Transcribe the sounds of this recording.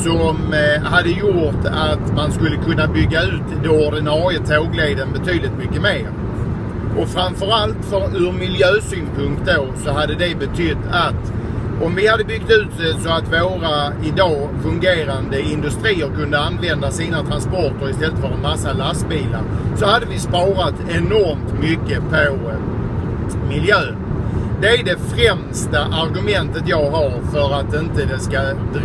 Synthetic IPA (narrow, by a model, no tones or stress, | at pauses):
sɔmhad̪ːəjʊʈ̪at̪manskɵlːəkʰɵnːabʏɡːaʉ̟ːt̪d̪oːɖɪnɑːɾjət̪ʰoːɡleːd̪ənbɛt̪ʰyːd̪lɪt̪mʏkːəmeːɾ | ʔɔfɾamfœɾalt̪fœɾɵɾmɪljøːsyːnpʰɵŋk̚t̪̚d̪oːsɔɦad̪ːəd̪ɛbɛt̪ʰʏt̪ːat̪ | ɔmvɪhad̪ːəbʏɡ̚t̪ʉ̟ːt̪ɛsɔat̪voːɾa | ɪd̪ɑː | fɵŋɡeːɾand̪əɪnd̪ɵst̪ɾiːəɾkɵnd̪əanvɛnd̪asiːnat̪ʰɾanspɔʈəɾɪst̪ɛlːət̪fœɾɛnmasːalast̪̚biːla̰ɾsɔhad̪ːəvɪspɑːɾat̪ɛnɔɾmt̪mʏkːəpʰo | mɪljøːnd̪ɛæɖɛfɾɛmst̪aʔaɾɡɵmɛnt̪ət̪jɑːɡɦaɾfœɾat̪̚ːɪnt̪əd̪ɛskad̪